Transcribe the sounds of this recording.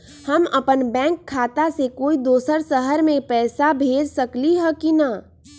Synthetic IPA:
həməpənbɛ̃ːŋkʰːaːt̪asekoːid̪oːsəɾsəɦəɾmẽpɛːsabʱeːd͡ʒsəkliɦɛ̃kina

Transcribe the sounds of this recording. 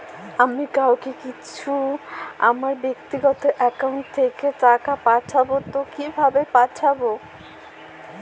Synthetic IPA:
amikawkekit͡ɕʰua̰maɾbek̚t̪iɡɔt̪oʔɛkawɳʈ̚t̪ʰːekeʈakapaʈʰabot̪okibʱabepaʈʰabo

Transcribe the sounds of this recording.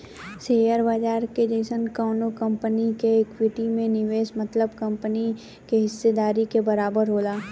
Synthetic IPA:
seːjəɾbaːd͡ʒaːɾked͡ʒeɪsənkaːnokɐ̃mpənikeːkwɪʈimẽnɪʋeːʃmɐt̪ləbkɐ̃mpəni | keɦɪsːed̪aːɾikebɐɾaːbəɾɦoːlaː

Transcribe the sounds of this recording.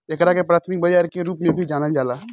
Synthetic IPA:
ekɾakepɾaːt̪ʰmɪk̚bɐd͡ʒaːɾkeɾuːpmẽbʱid͡ʒaːnəd͡ʒaːla

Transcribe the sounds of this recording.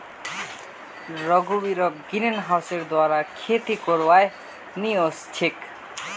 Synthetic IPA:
ɾɔɡubiɾɔɡinenɦawseɾd̪waɾakʰet̪ikoɾwaj | niost͡ʃʰek

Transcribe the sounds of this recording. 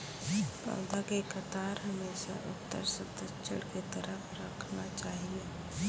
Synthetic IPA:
pa̰ːd̪akekət̪aːɾɦɐmeːʃa̰ʔʊ̰t̪ːə̰ɾsət̪ət͡ʃə̰ɽket̪əɾəfɾəkʰnat͡ʃaːɦieː

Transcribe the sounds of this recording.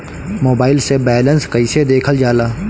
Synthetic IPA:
moːbaːɪlsebɛːlənskəised̪eːkʰəld͡ʒaːlaː

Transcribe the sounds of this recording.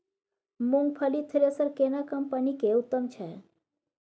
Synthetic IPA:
muŋɡpʰəlit̪ʰɾesəɾkenakəmpənikeut̪ːəmt͡ʃʰe

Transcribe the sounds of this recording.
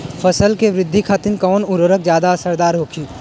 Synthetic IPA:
fʰəsəlkeʋɾɪd̪ʱːikʰaːt̪ɪnkɔːnʊɾəɾəkzjaːd̪aɐsəɾd̪aːɾɦoːkʰjuː

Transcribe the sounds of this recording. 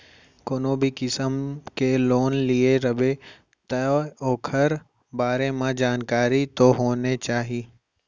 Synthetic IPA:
koːnobʱikɪsəmkeloːnlieɾɐbe | t̪ɐoːkʰɐɾ | baːɾemãd͡ʒaːnkaːɾit̪oɦoːnet͡ʃaːɦi

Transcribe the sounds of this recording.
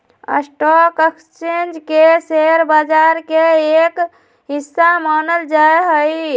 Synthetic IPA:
ə̰sʈɔkekst͡ʃend͡ʒkeseɾbad͡ʒaɾkeek | ɦisːamanəld͡ʒaeɦəj

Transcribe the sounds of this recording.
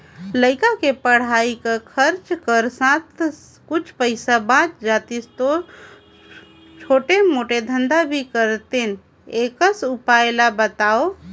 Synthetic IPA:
ləɪkakepəɽ̤aikekʰəɾt͡ʃkəɾsãt̪ʰ | kut͡ʃʰpəɪsabãt͡ʃd͡ʒat̪ist̪o | t͡ʃʰoʈemoʈed̪ʱənd̪abʱikəɾt̪en | ekəsupaelabət̪ao

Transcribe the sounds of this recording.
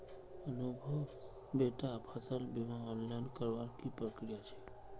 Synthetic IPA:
ənubʱəw | beʈapʰət̪ʰəlbimaɔnlaɪnkəɾʋaɾkipɾəkɾijat͡ʃʰɛ̥

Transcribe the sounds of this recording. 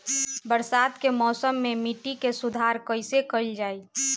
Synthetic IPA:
bəɾsaːd̪kemɔːsəmːemiʈikesud̪ʱaɾkəɪsekəɪld͡ʒaːi

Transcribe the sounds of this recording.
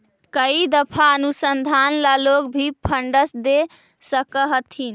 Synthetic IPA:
kəid̪əpʰaənusənd̪ʱanlaloɡbʱipʰəɳɖəsd̪e | səkəɦət̪ʰin

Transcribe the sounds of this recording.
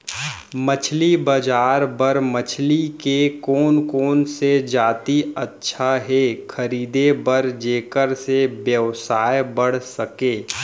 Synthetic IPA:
mət͡ʃʰlibəd͡ʒaːɾbəɾmət͡ʃʰlikekoːnkoːnsed͡ʒaːt̪iətːʃʰaɦɛkʰəɾiːd̪ebəɾd͡ʒeːkəɾsebjəʋsaːjebəɽ̤səkeː

